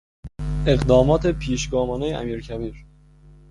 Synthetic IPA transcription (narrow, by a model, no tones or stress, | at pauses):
e̞ɣd̪ɒːmɒːt̪ʰe̞pʰiːʃɡɒːmɒːnejeʔæ̰miːɾcʰæbiːɾ